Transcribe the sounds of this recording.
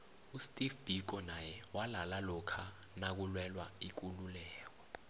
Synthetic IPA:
ustʼifb̥ik̬ɔnajɛwalalalɔkʰanak̬ulwɛlwaik̬ululɛːk̬ɔ

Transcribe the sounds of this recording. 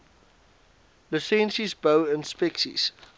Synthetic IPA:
lusɛ̃nʃizbəʊɪ̃nspɛksḭs

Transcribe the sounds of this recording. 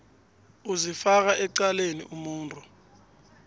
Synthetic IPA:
uzifak̬aʔɛǀaleniʔumuːntʼu

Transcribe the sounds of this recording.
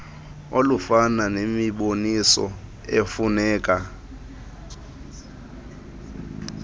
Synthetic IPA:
olufananemiɓonisɔ̰ | efunɛːkʼa

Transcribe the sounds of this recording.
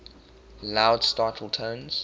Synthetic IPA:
laʊd̥staˑtʰl̩ˠtʰə̃nz̥

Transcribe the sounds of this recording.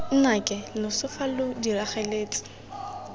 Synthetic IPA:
n̩nakʼɪlʊsʊfalʊdiraχeleːt͡sʼɪ̥

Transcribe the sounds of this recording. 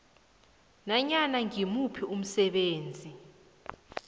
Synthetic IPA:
naɲanaŋimupʰium̩sɛɓeːnd͡zʱi

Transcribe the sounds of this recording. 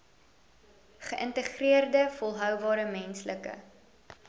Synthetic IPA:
χəʔəntəχriərdəfɔlˠɦœwbɑːɾəmɛnsləkə̰

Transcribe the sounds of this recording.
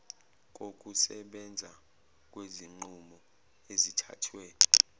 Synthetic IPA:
k̬ʼokʼusɛɓɛnd͡zʱa | k̬ʼweziŋ͡ǃumɔ | ezitʰa̰tʰwɛ

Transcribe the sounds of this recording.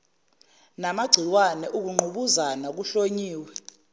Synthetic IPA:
namaɡ͡ǀʱiwanɛʔuk̬uŋ͡ǃʱuɓuzanak̬uɬoɲiːwɛ

